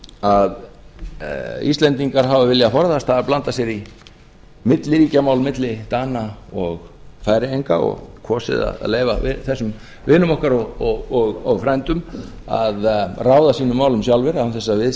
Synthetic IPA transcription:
að | ḭst̪lɛnt̪iŋkaɾɦavavɪljaafɔɾθast̪haðaɾplant̪asjɛɾi | mɪt̪lɪɾiːcamawlmɪt̪lɪt̪aːnaɔɣ | faːjɾɪejŋkaɔ̰ɣkʰɔːsɪ̰ða̰ð̰leːjvaɪθɛsːʏm | vɪːnʏmɔhkaɾɔɣɔɣɔɣɔɣfɾɛnt̪ʏma̰ðraːwðasiːnʏmːaːwlʏmsjawlvɪɾanθɛsːavɪð

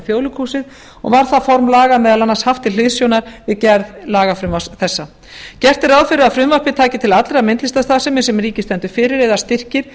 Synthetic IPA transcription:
fjoːwlʏkʰuːsɪð | ɔ̰ɣvaɾ̥θafɔɾmlaːɣanɛðalanːanshaft̪ɪ̥ɪðsjownaɾ̥vɪðcɛɾðlaːɣafɾʏmvasθɛsːa | cɛr̥t̪ɪɾawðfɪɾʏaðfɾʏmvaɾpɪt̪ʰaːcɪt̪ʰɪlat̪lɾamɪnt̪lɪst̪ast̪aːsɛmɪsɛmriːcɪst̪ɛnt̪ʏ̥fɪːɾɪɾɛðast̪ɪr̥cɪɾ̥

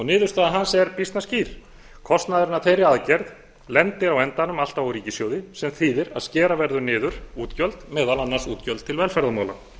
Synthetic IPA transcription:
ɔnɪːðʏɾst̪aðaɦansɛɾpist̪nasciːɾ̥ | kʰɔst̪naðʏɾɪnːaθejɾɪaðcɛɾð | lɛnt̪ɪɾawɛnt̪anʏmal̥t̪avawɾiːcɪsjowðɪsɛmθiːðɪɾa̰ðscɛːɾavɛɾðʏnɪːðʏɾ̥uːt̪cœlt̪mɛːðalanːaɾ̥suːt̪cœlt̪t̪ʰɪlvɛlfɛɾðamaːwla

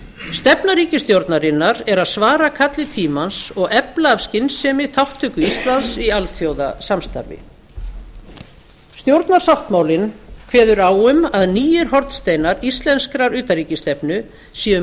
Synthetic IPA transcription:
st̪ɛpnaɾiːcɪst̪jowɾt̪naɾɪnːaɾɛɾaðsvaːɾakʰat̪lɪt̪ʰiːmansɔɣɛplaːvscɪnsɛmɪθawht̪ʰːʏkʏist̪lansialθjowða̰samst̪a̰ɾvɪ̰ | st̪jowɾt̪naɾ̥sawht̪maːwlɪnkʰvɛːðʏɾaːwʏmaðniːjɪɾ̥ɦɔɾt̪st̪eːjnaɾist̪lɛnskɾaɾʏːt̪aɾiːcɪst̪ɛpnʏ | siːʏ

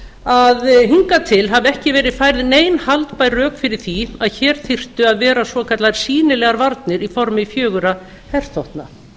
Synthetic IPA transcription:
aðɦiŋkat̪ʰɪlɦavɛhcɪvɛːɾɪðfaːjɾɪðneːjnhalt̪pajrœːkfɪɾɪɾ̥θiaðçɛːɾ̥θɪr̥t̪ʏaðvɛːɾasvɔkʰat̪laðɾ̥siːnɪlɛɣaɾvaɾt̪nɪɾifɔɾmɪfjœːɣʏɾa | hɛr̥θowht̪na

